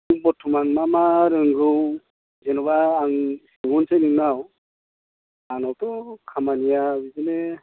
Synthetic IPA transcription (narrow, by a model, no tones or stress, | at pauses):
ŋbɔtʰɔmanmamaɾɯŋɡɯw | zenɔβaːŋseɡunsenɯŋnaw | anawtɔkʰamanijawizine